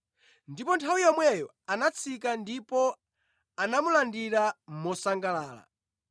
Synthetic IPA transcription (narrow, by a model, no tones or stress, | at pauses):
ndipɔntʰawijɔmwɛjɔ | anat͡sʰikandipɔ | anamulandiɾamɔsaŋɡalaːla̰